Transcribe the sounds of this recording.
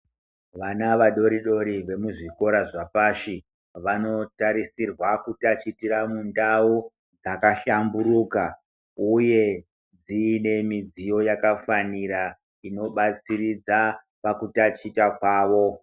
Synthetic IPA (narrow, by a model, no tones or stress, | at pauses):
ʋanaʋaɗo̞ɾiɗo̞ɾiʋe̞muʐiko̞ɾaʐapaʂi | ʋano̞taɾisirwakutat͡ʃitiɾamundau | d͡zakaɬamburuka | uje̞ | d͡zine̞mid͡zijo̞jakafaniɾa | ino̞ɓat͡sirid͡za | pakutat͡ʃitakwaːʋo̞